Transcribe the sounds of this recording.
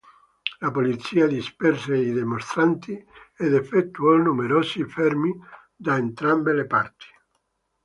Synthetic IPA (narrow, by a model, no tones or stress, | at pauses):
lapolit̪sːiːad̪ispɛrseid̪emost̪ɾant̪iɛd̪efːet̪ːuɔnumeɾɔːsifɛrmi | d̪aent̪ɾambelepart̪i̥